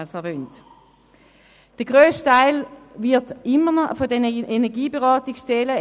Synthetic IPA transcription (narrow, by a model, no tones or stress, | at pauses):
əsɛɐvøːnt | d̥əɡ̥ʁøːsttʰaɪlvɪɐtɪmːənɔfodɛnəenɛɐɡiːbeʁɑːtɪksʃtɛlə